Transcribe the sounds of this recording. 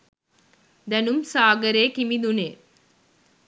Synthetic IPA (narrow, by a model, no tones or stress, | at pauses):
d̪ænumsaːɡɐɾeːkimid̪une